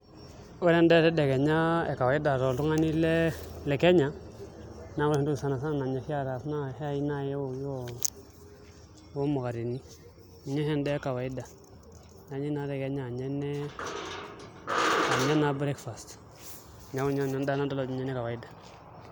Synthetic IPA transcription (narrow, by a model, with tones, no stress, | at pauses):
o˦ɾe˦nde˦˨ɾɛ˦de˨ɡe˨ɲa˦ḛ˨ka˨wa˨i˦da˨ɾo˨lu˦ŋa˦ni˦le˦lɛ˨ke˦ɲa˨˦ | na˦wu˦˨e˨ndu˦˨sa˨na˨s̬a˦˨na˨ɲa˨fi˦a˦ɾa˨sna˦˨he˦a˦˨ji˦na˦˨je˦wo˨jo˦˨˦ | wo˦mu˨ɣa˨ɾi˨ni˦˨ | ɲe˦ɦɛ˦nde˦ka˨wa˨i˦da˨ | na˨˦ɲi˦na˦ɾe˨ke˨˦ɲa˨ɲe˦nːe˦ | a˨ɲe˦na˦bɾe˦kfa˨st | ɲa˨˦wu˦ɲa˦˨na˨˦nda˦na˦da˦lo˨d͡ʒu˦ɲe˦ne˦ka˨wa˨i˦da˨